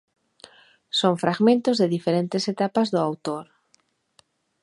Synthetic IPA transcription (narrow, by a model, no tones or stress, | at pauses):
soŋfɾʔaɣmẽnt̪ʊzðɪðifeɾent̪ɪset̪apɐzðʊawt̪oɾ